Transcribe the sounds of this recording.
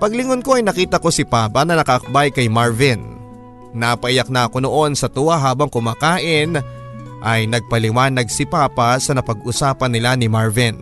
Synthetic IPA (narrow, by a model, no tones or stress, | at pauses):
pɐɡlɪŋonko̞ʔɐjnɐkiːt̪ɐko̞sɪpaːpɐnɐnɐkɐʔɐk̚bajkɐjmaɹvɪnː | apɐʔɪjɐk̚nɐʔɐko̞noʔo̞nsɐt̪ʊwaɦaːbɐŋkʊmaːkaːʔɪn | ʔɐjnɐɡ̚pɐlɪmaːnɐɡsɪpaːpɐsɐnɐpɐɡ̚ʊsaːpɐnːɪlanɪmaɹvɪn